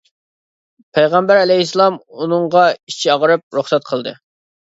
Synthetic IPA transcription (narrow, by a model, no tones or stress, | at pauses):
pʰɛjʁɑmbæɾɛlɛɦislˠɑmunɨŋʁɑit͡ʃʰiɑʁəɾɨp̚ɾuχsɛt̪̚qʰəlˠd̪ɨ̰